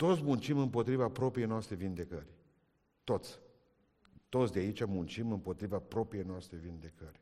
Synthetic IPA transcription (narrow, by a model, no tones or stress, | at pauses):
t̪o̞t̪sʲmunt͡ʃimɨmpo̞t̪ɾivapɾo̞pɾijejnoast̪ɾevind̪e̞kərʲ | t̪o̞t̪sʲ | t̪o̞t̪sʲd̪eait͡ʃʲamunt͡ʃimɨmpo̞t̪ɾivapɾo̞pɾije̞jnoast̪ɾevind̪e̞kərʲ